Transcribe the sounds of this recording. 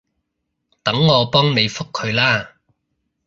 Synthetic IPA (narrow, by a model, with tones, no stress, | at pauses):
t̪ɐ˨˥ŋːɔː˨˧pɔː˥ŋne˨˧jfʊ˥kʰːɵ˨˧ɥlaː˥